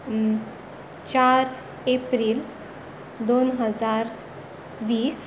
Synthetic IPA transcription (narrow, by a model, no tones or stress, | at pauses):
t͡ɕaɾ | epɾiːl | d̪onɦəd͡zaɾ | ʋiːs